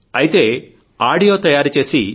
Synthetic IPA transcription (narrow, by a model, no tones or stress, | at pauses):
ɐjit̪e̞ː | aːɽijoːt̪ɐjaːɾut͡ʃe̞ːsi